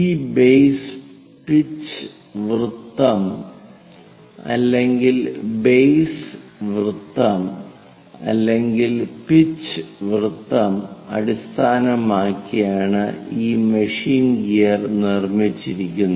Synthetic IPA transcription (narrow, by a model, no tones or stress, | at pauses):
iːbejs | pit͡ɕːɨ | ʋrɨt̪ːɐm | ɐ̰lːe̞ŋɡilbejsʋrɨt̪ːɐm | ɐ̰lːeŋɡilpit͡ɕːɨʋrɨt̪ːɐmɐ̰ɽist̪ʰaːnɐmaːkːijaːɳɨ̰iːmɐʂiːnɡijɐrnirmit͡ɕːiɾikʲːunː